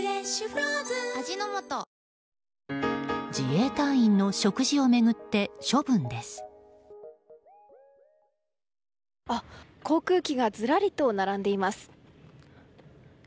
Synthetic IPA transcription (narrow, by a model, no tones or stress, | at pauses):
ad͡ʑinomot̪o | d͡ʑie̞ːt̪ãɰ̃ĩnːo̞ɕo̞kɯ̟ʑio̞me̞ɡɯ̟t̪ːe̞ɕo̞bɯ̟̃nd̪e̞sɨ̥ | akʰo̞ːkɯ̟ːkʲiɡad͡zɨɾaɾʲit̪o̞ːnaɾãnd̪e̞imasɨ̥